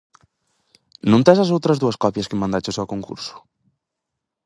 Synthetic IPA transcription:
nũnt̪ɛsazowt̪ɾɐzðuɐskɔpjɐskemãnd̪at͡ʃosawkoŋkṵɾsu̥

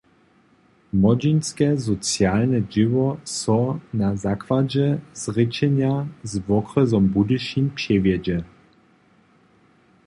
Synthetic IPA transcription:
mɔd͡ʑinskɛzɔt͡sjalnɛd͡ʒɪvɔsɔnazakvad͡ʑɛz̥ʁɪt͡ɕɛnjazvɔkrɛzɔmbud̪ɨʃimpɕɛvjɛd͡ʑɛ

